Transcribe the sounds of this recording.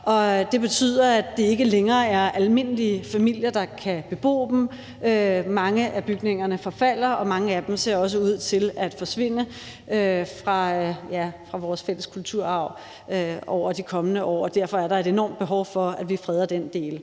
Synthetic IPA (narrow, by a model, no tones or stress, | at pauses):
ʔɒ̽d̥e̝b̥e̝t͡sʰy̰ð̰ˠɐædd̥ee̝ɡ̥əleŋɐːæɐʔælme̝n̰əliəfæmil̰jɐd̥ɑ̈kʰæb̥e̝b̥o̝̰ːb̥m̩ | ømɑ̈ŋəʔæb̥yɡ̥ne̝ŋ̰ɐnəfɒ̽fæl̰ɐɒ̽mɑ̈ŋəæd̥emse̝̰ɐ̰ɒ̽s̬əuð̞̰ˠt͡sʰe̝læd̥fɒ̽sʋe̝n̰ə | øfʁɑ̈jæfʁɑ̈ʋɒːsfel̰əskʰult͡sʰuɐ̰ɑ̈ʊ̰ | øʔɒʊ̰ɐd̥ikʰɒ̽mənəʔɒ̰ːɒd̥æɐ̰fɒ̽æɐɾɑ̈e̝ɾe̝nɒ̰ːmd̥̚b̥e̝ɦɒʊfɒ̽æd̥ʋifʁɛð̞ˠɐd̥end̥e̝̰ːl